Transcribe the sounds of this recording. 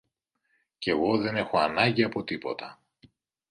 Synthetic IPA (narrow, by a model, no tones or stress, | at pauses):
ce̞ɣo̞ðe̞ne̞xo̞ɐnɐɲɟiɐpo̞t̪ipo̞t̪ɐ